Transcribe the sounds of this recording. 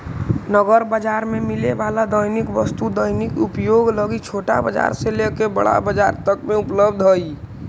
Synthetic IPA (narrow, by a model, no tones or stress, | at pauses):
nəɡəɾbəd͡ʒaɾmemilebalad̪əjnikʋəst̪ud̪əɪnikupjoɡləɡit͡ʃʰoʈa̰bəd͡ʒa̰ɾselekebə̰ɽa̰bəd͡ʒa̰ɾt̪əkmẽupləbd̪ʱɦəi